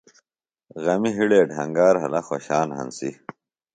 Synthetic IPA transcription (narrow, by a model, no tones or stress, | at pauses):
ɣɐmiɦiɽeːɖʱɐŋɡaːɾɦɐ̰lɐxoɕaːnɦɐ̰nsḭ